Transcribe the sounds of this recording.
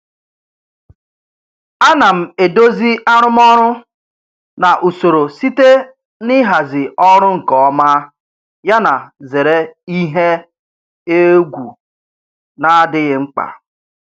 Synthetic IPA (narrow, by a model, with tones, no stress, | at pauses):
a˦na˨m̩˨e˨do˦zi˦ʔa˦ɾʊ˦mɔ˦ɾʊ˦ | na˨ʔu˨so˨ɾo˨si˦te˦ | nɪ˦ɦa˨zɪ˨ɔ˦ɾʊ˦ŋ̩˨kɔ˨ɔ˦ma˦ | ja˦na˨ze˨ɾe˦i˦ɦe˦ | e˦ɡʷu˨ | na˦dɪ˦ɣɪ˦ŋ͡m̩˦k͡pa̰˨